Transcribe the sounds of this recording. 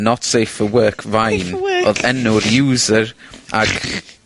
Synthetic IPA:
nɔtsejfəwɜːkʰvajnoðɛnʊɾjuːzəɹʔaɡ

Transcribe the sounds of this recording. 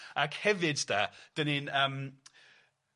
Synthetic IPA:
akhɛvɪdd̥ad̥əninəm

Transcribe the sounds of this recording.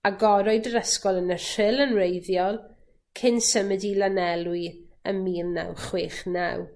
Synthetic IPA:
aɡɔɾɔɨdəɾəskɔlˠənərɪlˠənrejðjɔlˠ | kʰɪnsəmədilanɛlˠwiəmiːlna̰wχweːχna̰w

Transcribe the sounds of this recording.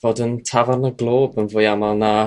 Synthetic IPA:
voːdəntʰavarnəɡlˠoːbənvʊːjamalˠna

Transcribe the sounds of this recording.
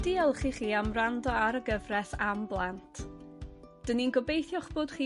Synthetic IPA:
d̥iːɛlˠχiːχiːamrandɔaɾəɡəvrɛθamblˠantʰ | d̥əninɡɔbejθjɔχb̥oːd̥χiː

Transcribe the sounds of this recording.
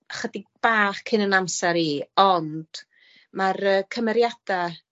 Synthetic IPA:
χwədɪɡ̚b̥aːχkʰɪnənamsɛɾiːɔnd̥ | marəːkʰəmɛɾjad̥a

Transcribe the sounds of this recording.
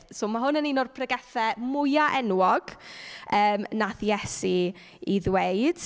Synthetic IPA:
soːmaɦʊnəninɔrpʰrəɡɛθɛmʊjaʔɛnwɔɡ̥əːmnaθjɛsi | iðweɨd̥

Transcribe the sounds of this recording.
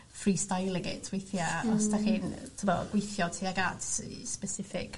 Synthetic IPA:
friːstajlˠɪɡɪ̰tʰwejθjaɔsdaχɪːntʰəmɔ̰ɡ̥wejθjɔtʰiaɡatspɛsɪfɪ̰k

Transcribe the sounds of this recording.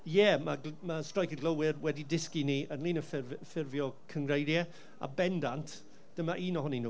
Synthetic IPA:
jɛmaɡmastrajkɪɡlˠəwɪrwɛdidɪskiniʔənlˠiːnəfɪrvfɪrvjɔkʰəŋɡrejɾjɛ | a̰bɛndantʰ | d̥əmaʔiːnɔɦɔninu

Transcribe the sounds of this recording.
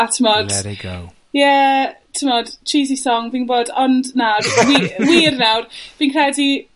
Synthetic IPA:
atʰɪmɔd̥ɡo | jɛtʰɪmɔd̥t͡ʃʰiːzisɔŋviːnboːdɔndnarwiwiːrnawrb̥iːnkʰrɛdi

